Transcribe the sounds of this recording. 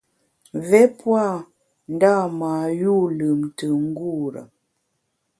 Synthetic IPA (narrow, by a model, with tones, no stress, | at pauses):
vɛ˦pwa˦˨ | n̩˦da˦˨ma˨ju˦˨lə˨mtə˨ŋ̩˦ɡu˦˨ɾə̰˨